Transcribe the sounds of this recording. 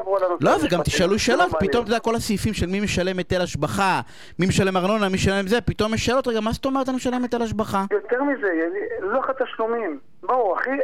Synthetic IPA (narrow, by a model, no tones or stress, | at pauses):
bulanulo̞veɡamt̪iʃaluʃeːlo̞t̪pit̪o̞mt̪od̪ako̞lasifimʃelmimeʃale̞met̪elaʃbaχa | mimeʃalemaʁno̞namiʃalemzepit̪o̞mjɛʃeːlo̞t̪ʁeɡamast̪omet̪animeʃalemet̪elaʃbaχajot̪eʁmizeaniloaχat̪aʃlumim | bauaχi